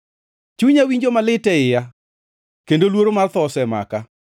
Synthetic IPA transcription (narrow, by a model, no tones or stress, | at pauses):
t͡ʃuɲawiɲd͡ʒomalɪtɛɪja | kendolwoɾomart̪ɔsɛma̰ka